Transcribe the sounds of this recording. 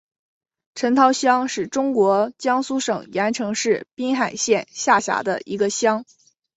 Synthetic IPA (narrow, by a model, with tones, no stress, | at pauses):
ʈ͡ʂʰə˧˥nt̪ʰɑ˧˥ʊɕjɑ˥ŋʂɻ̩˨˩ʈ͡ʂʊ˥ŋkwɔ˧˥t͡ɕjɑ˥ŋsu˥ʂɤ˨˩ŋjɛ˧˥nʈ͡ʂʰɤ˧˥ŋʂɻ̩˥˩pi˥ŋxa˨˩ɪɕjɛ˥˧nɕja˥˩ɕja̰˧˥d̪ə̰˧ḭ˧˥ɡə˧ɕjɑ˥ŋ